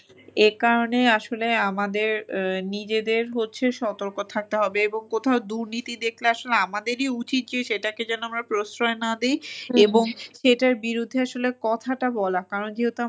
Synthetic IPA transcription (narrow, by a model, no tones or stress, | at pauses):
ekaɾoneaʃoleamad̪eɾnid͡ʑed̪eɾɦotːɕʰeʃɔt̪oɾkot̪ʰak̚t̪eɦɔbeeboŋkot̪ʰaod̪uɾnit̪id̪ekʰleaʃoleamad̪eɾiut͡ɕit̪̚d͡ʑeʃeʈaked͡ʑɛnoamɾapɾosɾɔenad̪ejeboŋʃeʈaɾbiɾud̪ʱːeaʃolekɔt̪ʰaʈabɔlakaɾond͡ʑiɦot̪oa